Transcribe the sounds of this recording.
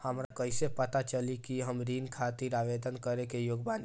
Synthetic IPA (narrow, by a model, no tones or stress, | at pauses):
həmɾakəɪsepət̪at͡ʃəlikiɦəmɾinkʰat̪iɾaʋed̪ənkəɾekejoɡban